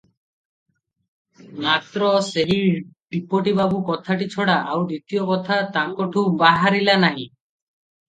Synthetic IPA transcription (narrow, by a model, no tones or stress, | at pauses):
mat̪ɾɔseɦiɖipoʈibabukɔt̪ʰaʈit͡ʃʰɔɽaʔawd̪it̪ijɔkɔt̪ʰat̪ãkɔʈʰubaɦaɾilanaɦḭ̃